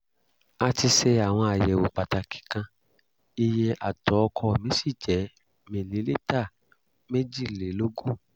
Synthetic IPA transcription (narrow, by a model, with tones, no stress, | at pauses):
a˧ti˧sɛ˧a˨w̃ɔ̃˧a˨jɛ˨wo˨k͡pa˨ta˧kʰi̥˨kã˧ | i˧jɛ˧ʔa˨tɔ˨˦˧kʰɔ˧˨mĩ˨˦si˦˨d͡ʒɛ˨˦ | mẽ˨nĩ˨˦le˦ta˦˨ | me˦d͡ʒi˦˨le˨˦lo˦ɡu˦˨